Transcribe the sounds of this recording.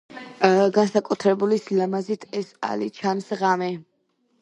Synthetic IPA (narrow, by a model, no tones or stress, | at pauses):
ɡansakʼut̪ʰɾɛbulislamazit̪ʰɛsa̰lit͡ʃʰansʁamɛ